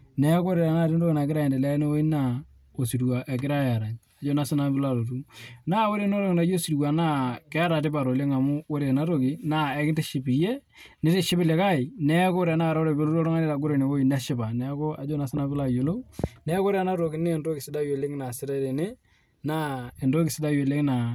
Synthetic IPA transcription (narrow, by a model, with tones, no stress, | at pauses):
nɛ˨˦ko˦ɾe˨a˨na˦˨ti˦ndo˦kna˨kɪ˦ɾa˦jɛ˨de˨lɛ˦ne˦wo˦i˦na˦˨ | o˨si˨twa˨ʔɛ˨k̬ɪ˦ɾa˦ja˨ɾa˨ɲ | a˨d͡ʒo˦na˦sɪ˦na˦bɪ˦la˨lo˨tu˦na˦wo˦ɾe˦n˦ɾe˦ŋ˨na˨˦jo˦si˨twa˨na˦˨kɛ˦a˦ɾa˨tɪ˦pa˨ɾo˨le˦ŋa˨mʊ˦wo˦ɾe˨na˦to˦˨ki˨na˦ɛ˦kɪ˦nte˦ʃɪ˨˦pɪ˨je˦ | nɪ˦te˦ʃɪ˦bɪ˦le˨˦ka˦ɪ˨nɛ˦ko˦ɾe˨na˦˨ɾa˦o˦ɾe˨be˦lo˦o˦ɾo˦ŋa˦ne˦ta˨ɡʊ˦ɾe˨ne˨wo˦i˦˨nɛ˦ʃɪ˦ba˨nɛ˨˦ko˦a̰˨d͡ʒo˦na˦sɪ˦na˦bɪ˦la˨jo˨lo˦nɛ˦kːɾe˦˨na˦ɾo˨kɪ˨ne˦˨ndo˦kɪ˨sɪ˦da˦je˨le˦ŋ˦na˨sɪ˦ta˦ɾe˨ne˦ | na˦e˨ndo˦kɪ˨sɪ˦da˦je˨le˦ŋ˦na˨